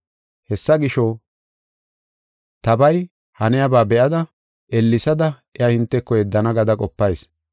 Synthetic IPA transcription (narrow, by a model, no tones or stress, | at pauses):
hɛsːɐɡɪʃɔ | t̪ɐbɐj | hɐnɛjɐbaːbɛʔɐd̪ɐ | ʔɛlːɪsɐd̪ɐʔɛahɪnt̪ːɛkːɔjɛd̪ːɐnɐɡɐd̪ɐkʼɔpːɐjs